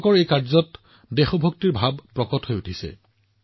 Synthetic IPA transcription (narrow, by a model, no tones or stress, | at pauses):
kɔɹejkaɹzɔt | dɛxɔbʱɔk̚tiɹbʱabpɹɔkɔthojutʰisɛ̰